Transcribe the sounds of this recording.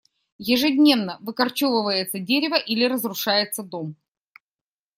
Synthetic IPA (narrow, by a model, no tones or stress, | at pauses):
jɪʐɨdʲnʲe̞vnəvɨkɐrt͡ɕovəvəjɪt̪sədʲeɾʲɪvəʔilʲɪɾəzɾʊʂajɪt̪səd̪o̞m